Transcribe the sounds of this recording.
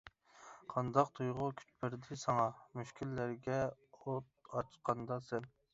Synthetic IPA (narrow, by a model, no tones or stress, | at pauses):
qʰɑnd̪ɑq̚t̪ʰujʁʊkʲʰy̥t͡ʃ̪pɪɾd̪ɪsɑŋɑmyʃkʲʰilːæɾɡʲɛot̪̚ɑt͡ʃqʰɑnd̪ɑsɛn